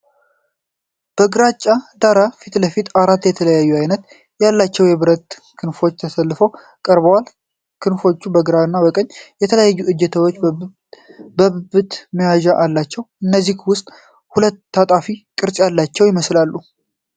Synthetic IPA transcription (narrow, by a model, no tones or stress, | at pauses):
b̥əɡɨɾat͡ʃʼːad̪aɾafit̪ləfit̪aɾat̪ːjɛt̪ʰələjajːuajnət̪ | jalːat͡ʃːɛwjɛβɨɾət̪ | kʰɨnfo̞t͡ʃːt̪ʰəsəlːɨfow | kʼəɾbəwal | kʰɨnfo̞t͡ʃːubəɡɨɾaɨnːabəkʼəɲːjɛt̪ʰələjajːuʔɨd͡ʒːɛt̪ʰəwot͡ʃː | bəβɨbɨt̪mijwaʒaʔalːat͡ʃːɛwʔɨnːəzːihwʊst̪ʼ | hulət̪ːat̪ʼafikʼɨɾt͡ʃʼjalːat͡ʃːɛwjɪməslalːu